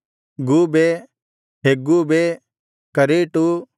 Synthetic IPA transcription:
ɡube | ɦeːɡube | kɐɾeːʈu

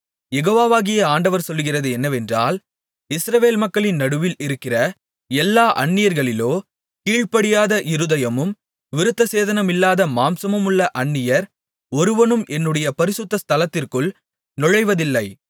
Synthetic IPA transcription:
jɛɣoːʋaːʋaːɣɪjɐaːɳɖɐʋɐɾsɔlːɯɣɪrɐðɯɛnːɐʋɛndra̰ːl | ɪsɾɐʋeːlmɐkːɐɭɪnːɐɽɯʋɪlɪɾɯkːɪrɐ | ɛlːaːʔɐɳːɪjɐɾɣɐɭɪloː | kiːɻpɐɽɪjaːðɐʔɪɾɯðɐjɐmɯm | ʋɪɾɯt̪ːɐseːðɐnɐmɪlːaːðɐmaːmsɐmɯmɯɭːɐʔɐɳːɪjɐɾ | ɔɾɯʋɐnɯmʔɛnːɯɽɐjɐpɐɾɪsʊt̪ːɐst̪ʰɐlɐt̪ːɪrkɯɭ | nɔɻɐɪʋɐðɪlːɐɪ

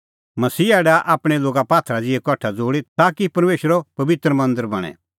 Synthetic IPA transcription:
mɐsiːɛːɽaʔaːpɽ̃ɛloːɡapaːt̪ʰɾad͡zɪɛkɔʈʰad͡zoːɽit̪aːkipɐɾmeːʃəɾopɐʋɪt̪ɾəmɐ̃nd̪əɾbɐɽ̃ɛ̰

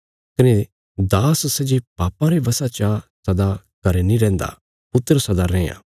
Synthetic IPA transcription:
kɐne | d̪aːssɛd͡ʒipaːpãɾebɐsat͡ʃasɐd̪a | kɐɾenĩɾɛ̃ːnd̪a̰ | pʊt̪ːɾəsɐd̪aɾɛ̃ːjã̰ː

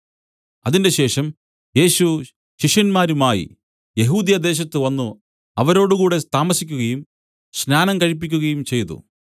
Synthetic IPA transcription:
ɐðinde̞ɕe̞ːʂɐm | je̞ːɕu | ɕiʂjɐnmaːɾumaːjḭ | je̞ɦuːd̪jɐd̪e̞ːɕ̬ɐt̪ːɨʋɐnːu | ɐʋɐɾo̞ːɽukuːɽe̞st̪aːmɐsikʲːuɣɐjum | ɕnaːnɐmkɐɻip̬ːikʲːuɣɐjumt͡ɕe̞jt̪ṵ

